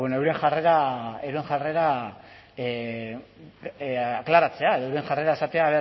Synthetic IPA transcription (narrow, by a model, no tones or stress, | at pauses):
wenoewɾeŋʝare̞ɾaeɾue̞ŋʝare̞ɾa | aklaɾat͡se̞ae̞ðo̞ewɾeŋʝare̞ɾae̞sat̪eaːβe